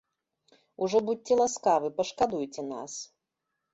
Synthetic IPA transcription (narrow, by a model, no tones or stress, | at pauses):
uʐɔbut͡sʲɛlˠaskavɨpɐʂkad̪ujt͡sʲɛna̰s